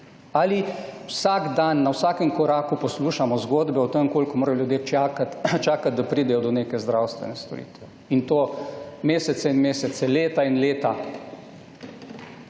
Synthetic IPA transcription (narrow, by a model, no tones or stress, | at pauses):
aliwsaɡd̪anːawsaːkəmkɔɾaːkupɔsluːʃamɔzɡoːd̪bɛɔt̪əŋkoːlkɔmoːɾajɔljud̪jet͡ʃaːkat̪t͡ʃaːkat̪̚d̪apɾiːd̪ɛjɔd̪ɔneːkɛzd̪ɾawst̪ʋɛ̰nɛst̪ɔ̰ɾḭːt̪ʋɛ | int̪oːmeːsɛt̪sɛinmeːsɛt̪sɛleːt̪ainleːt̪a